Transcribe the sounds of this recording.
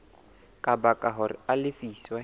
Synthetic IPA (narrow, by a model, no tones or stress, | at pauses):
kʼabakʼaɦʊrɪ̰alɪfiswa